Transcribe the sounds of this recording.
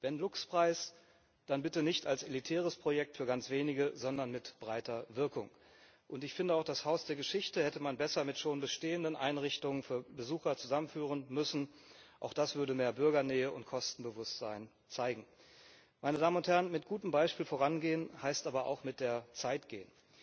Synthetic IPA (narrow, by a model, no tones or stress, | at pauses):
vɛnlʊkspʁ̥aɪs | d̥anbɪtənɪçtalselitʰɛːʁ̞əspʁ̥ojɛk̚tfyːɐɡant͡sv̥eːnɪɡəzɔndɐnmɪtb̥ʁaɪtɐvɪɐkʊŋ | ʔʊntɪçfɪndəaʊxd̥ashaʊsd̥eːɐɡəʃɪçtəhɛtəmanbɛsɐmɪtʃoːnbəʃteːəndənʔa̰ɪnʁɪçtʊŋənfyːɐbəzuːxɐt͡suzamənfyːʁ̞ənmʏsn̩ʔa̰ʊxd̥asv̥ʏɐdəmeːɐbʏɐɡɐnɛːəʊntkʰɔstn̩bəvʊstz̥aɪn | t͡saɪɡŋ̩ | maɪnədaːmənʊnthɛɐənmɪt̚ɡ̥uːtəm̩baɪʃpiːlfoːʁ̞anɡeːənhaɪstʔaːbɐʔa̰ʊxmɪt̚d̥eːɐt͡saɪtɡ̥eːən